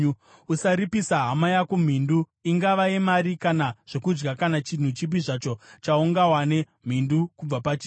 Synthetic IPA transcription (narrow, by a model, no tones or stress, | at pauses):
usaɾipisaɦamajakum̤indu | iŋɡaʋaemaɾikanaʐ̥o̞kud͡ʒɡakanat͡ʃin̤ut͡ʃip̬iʐat͡ʃo̞t͡ʃauŋɡawane̞ | m̤indukub͡vapat͡ʃiː